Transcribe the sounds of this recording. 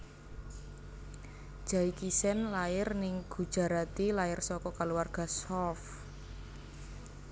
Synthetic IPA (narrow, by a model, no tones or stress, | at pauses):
d̥ʒ̥a̤ikisɛnlaɪrnɪŋɡ̥ṳd̥ʒ̥a̤ɾat̪ilaɪrsɔkɔkaluwarɡ̥a̤sɔlf